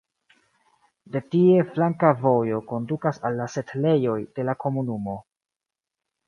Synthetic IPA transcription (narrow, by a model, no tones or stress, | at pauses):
de̞tie̞flaŋkavo̞jo̞ko̞ndukasalːase̞tle̞jo̞jde̞lako̞munumo̞